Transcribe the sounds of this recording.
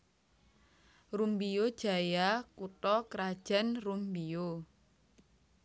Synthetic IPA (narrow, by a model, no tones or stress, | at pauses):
rumbiod̥ʒ̥a̤jakut̪ɔkɾad̥ʒ̥a̤nrumbijo